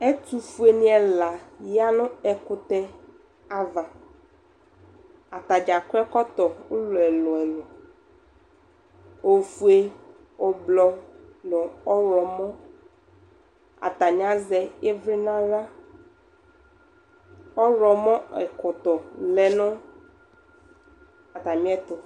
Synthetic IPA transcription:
ɛ˦tu˨fu˨˦e˨nĩ˦ɛ˨la˨ja˦nʊ̃˦ɛ˨kʊ˨t̪ɛ˦ | a˨va˨ | a˨t̪a˨d͡ʒa˨kʊ˦ɛ˦kɔ˦t̪ɔ˨ʊ˦lʊ˨ɛ˨lɔ˨ɛ˨lɔ˨ | o˨fu˨e˦ | ɔ˨blɔ˨ | lɔ˨ɔ˦ɾɔ˨mɔ̃˦ | a̰˨t̪a˨ɲ˦ã˦zɛ˦ɛ˦vɾi˦nã˦ɾa˦ | ɔ˦ɾɔ˨mɔ̃˦ɛ˨kɔ˨t̪ɔ˨lɛ˨nʊ̃˦ | a˨t̪a˨mĩ˦ɛ˦t̪ʊ˨

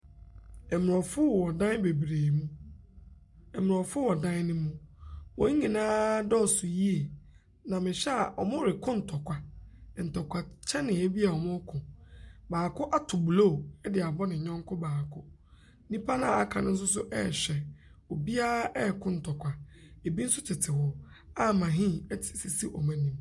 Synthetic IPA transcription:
ɛ˨m˨ɔ˨fʊ˦˨wɔ˨dã˦n˦be˨bɾeː˨mũ˦ | ɛ˨m˨ɔ˨fʊ˦wɔ˨dã˦n˦nɪ̃˦mũ˦wɔ̃˨˦ɲĩ˨nãː˦dɔ˦˨sʊ˨ji˦e˨ | nã˨mɪ̃˨ɕɛ˦a˨ʔɔ˨mʊ̃˦ɾɪ˨kʰʊ̃˦n̩˨tʰɔ˨kʰʷa˨n̩˨tʰɔ˨kʷʰa˨t͡ɕʰɛ˦nɪ̃˨ɛ˦bi˦a˨ɔ˨mʊ̃˦kʰʊ̃˨baː˨kʰʊ˦ʔa˦tʰʊ˨bu˨loː˦˨ɛ˦dɪ˨a˨bɔ˦nɪ̃˨ɲɔ̃˦ŋ˦kʰʊ˦baː˨kʰʊ˦ | nĩ˦pʰa˦nã˨a˨kʰã̰˨nʊ̃˦n̩˦sʊ˦s̬ʊ˦ʔɛ̰˦˨ɕᶣɛ˨ɔ˨bi˦a˦ɛ˦˨kʰʊ̃˦n̩˨tʰɔ˨kʷʰa˨e˨bi˦n̩˦sʊ˦t͡ɕʰɪ˨tʰɪ˨hɔ˨ | a˦mã˨ɦĩ˦ɛ˦tʰɪ̥˨si˨si˦ʔɔ˨mã˦nĩ˨m

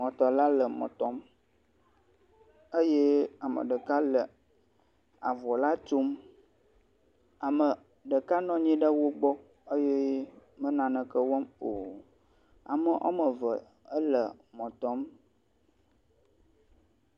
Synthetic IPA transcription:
mɔ̃˨t̪ɔ˨la˦lə˨mɔ̰̃˨t̪ɔ˦m | ə˦je˦a˨mə̰̃˨ɖə˨ka˦lə˨ | a̰˨vɔ˨la˦t͡ʃo˦m | a˨mə˨ | ɖə˨ka˦nɔ̃˦ɲĩ˦ɖə˦wo˦ɡ͡bɔ˦ | ə˦je˦mə̃˦nã˨nə̃˨kə˦wɔ˦mo˨ | a̰˨mə˦ʔa̰˦mə̃˨və˨ | ə˦lə˨mɔ̃˨t̪ɔ˦m

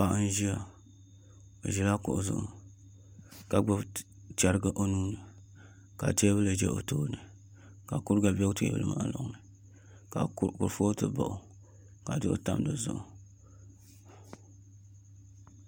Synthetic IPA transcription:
pa˨ʔn˦ʒi˦a˨ | o˨ʒɛ˦la˦kʊ˨ʔʊ˨zʊ̰˦ʔʊ̰˦ | ka˨ɡ͡bo˦b | t͡ʃa˦ɾɨ˦ɡa˦ʔo˦nuː˦nɨ˨ | ka̰˨ti˦a˦bɨ˦lɨ˨d͡ʒɛ̰˦ʔo̰˨toː˦nɨ˨ | ka˨ku˦ɾɡa˨bɛ˦ɡtɨ̰˦˨bɨ̰˨lɨ˦ma̰˦ʔlo̰˦ŋnɨ˨ | ka˨ku˨ɾfoː˦tɨ˨ba̰˨ʔʊ˨ | ka˨dɨ˦ʔo̰˦ta̰˦m˦dɨ˨zʊ̰˨ʔʊ̰˨

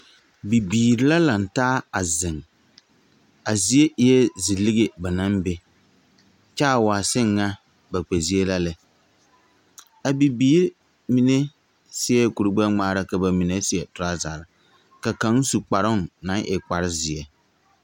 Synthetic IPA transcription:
bi˨biː˨ɾɪ˦la˦la˨n̩˨taː˦a˨zɪ˨ŋ | a˨zi˨˦e˦ʔjɛ˦zɪ˨lɪ˦ɡe˨ba˨na˦mbe˦ | t͡ʃa˦˨waː˨sɪ˦ŋːa˦ | ba˨k͡pɛ˨zi˦e˦la˦lɪ˨ | a˨bi˨biː˦ɾ | mi˨ne˦ | sɪ˦ɛ˦ku˨ɾɨ˨ɡ͡ba˦ŋ͡maː˦ɾa˦ka˨ba˨mi˨ne˦sɪ˦ɛ˨tʊ˨ɾa˦za˨ɾɪ˨ | ka˨ka˦ŋ˦su˨k͡pa˨ɾʊ˦˨nna˨˦ŋʔɪ˨k͡pa˨ɾɪ˦zɪ˨ɛ˨

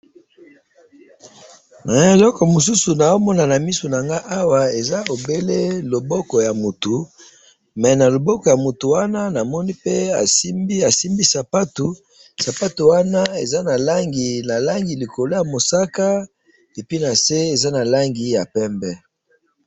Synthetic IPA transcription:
na˨e˨lɔ˦kɔ˨mo˨su˦su˨na˨jo˦mɔ˦na˨na˨mi˦so˨na˨ŋɡa˦ʔa˦wa˨e˨za˦o˨be˦le˦lo˨bɔ˦kɔ˨ja˨mo˨tu˨ | mɛ˨na˨lo˨bɔ˦kɔ˨ja˨mo˨tu˨wa˦na˦na˨mɔ˦ni˦pe˦a̰˨si˦mbi˦a˨si˦mbi˦sa˨pa˦tu˨ | sa˨pa˦tu˨wa˦na˦e˨za˦na˨la˦ŋɡi˨na˨la˦ŋɡi˨li˨ko˨lo˦ja˨mo˨sa˦ka˦ | e˨pi˦na˨se˦e˨za˦na˨la˦ŋɡi˨ja˨pɛ˦mbɛ˦

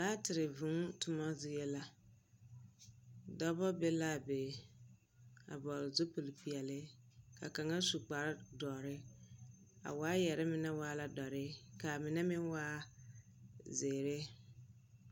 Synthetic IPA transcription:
daː˦tɪ˨ɾɪ˨vʊ̃˨˦ŋtʊ˨ma˦zɪ˦je˦la˦ | dɔ˦bɔ˦be˦la˦˨be˨ | a̰˨bɔ˨lɪ˨zo˦po˨lpi˨ɛ˨lɪ˦ka̰˨ka˨ŋa˦su˨k͡pa˨ɾdɔː˨ɾɪ˦ | a̰˨waː˦jɛ˨ɾɪ˦mɪ˨nɛ˦waː˦la˦dɔ˨ɾɪ˦ka˨mɪ˨nɛ˦mɪ˦nwaː˦ | zeː˨ɾɪ˦

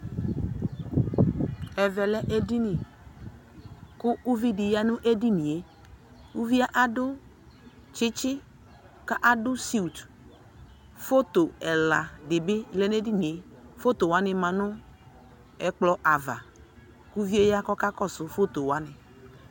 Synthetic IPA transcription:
ɛ˨vɛ˨lɛ˦ʔe˦di˦nĩ˨ | kʊ˦u˦vi˦dɪ˨ja˦nʊ̃˦ʔe˦di˦nĩ˨e˦ | wu˦vi˦a˦ʔa˦dʊ˦ | t͡ʃɪ˦t͡ʃɪ˦ | ka˦ʔa˨dʊ˦si˦u˨t | fo˦t̪o˨ɛ˨la˨ɖɪ˨bɪ˦le˦ne˦di˦nĩ˨e˦ | fo˦t̪o˨wa˦nɪ̃˨mã˨nʊ̃˦ | ɛ˨k͡plɔ˨ʔa˨va̰˨ | ku˦vi˦e˦ja˦kɔ˦ka˦kɔ˦sʊ˨fo˦t̪o˨wa˦nɪ̃˨

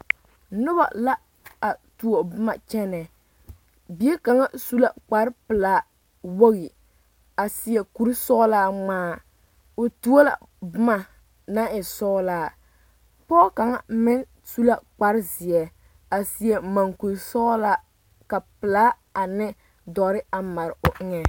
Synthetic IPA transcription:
nʊ˦ba̰˨la˦ | a˨tu˨o˨bɨ˦ma˨t͡ʃɛ˦nɛ˨ | bi˨˦ɛ˦ka˨ŋa˦su˦la˦k͡pa˨ɾɪ˦pɪ˨laː˨˦ | wo˦ɣɪ˨ | a˨si˨ɛ˨ku˨˦ɾsɔ˦la˦ŋ͡maː˦ | ʊ˨tu˦o˦la̰˨ | bɨ˦ma˨ | na˦ɪ˨sɔː˦laː˦˨ | pɔː˦ka˨ŋa̰˨mɪ˦n | su˦la˦k͡pa˨˦ɾɪ˦zɪ˨ɛ˨ | a˨si˨ɛ˨ma˨ŋku˨ɾsɔ˦la˦ | ka˨pɪ˨la˦ | a˨nɪ˦ | dɔ˨ɾɪ˦a˨ma˨ɾɪ˨ʔʊ˨ʔɪ˦ŋɛ˨

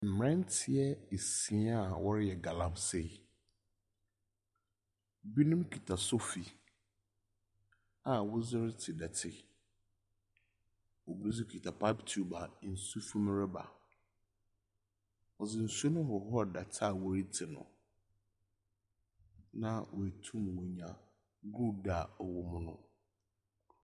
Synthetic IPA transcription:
m̩˨m˨ɾɛ̃˦n̩˦tʰɪ˨ɛ˦e˨sĩ˨˦a˦˨wɔ˦ɾɪ˦jɛ˨ɡa˨lã˨mse˦˨ | bi˦nũ˦mkʰᶣi˨tʰa˨sʊ˦fi˨ | a˨wʊ˦zɪ˦ɾɪ˦tʰɪ˨dɛ˨tʰɪ˦ | ɔ˨bɾu˦zɪ˦kʰi˨tʰa˨pʰa˦ptʰu˨˦ba˨˦n̩˨su˦fũ˦m˦ɾɛ˦ba̰˨ | ɔ˨zɪ˨n̩˨su˦nʊ̃˦ɦɔ˨hɔ˦˨da˨tʰa˦˨wɔ˦ɾi˦tʰɪ˨nʊ̰̃˨ | nã˦wɔ˨æ˨tʰũ˦mwɔ˨ɲã˨ | ɡɾu˦˨da˨ɔ˨wʊ˨mʊ̃˦nʊ̰̃˦

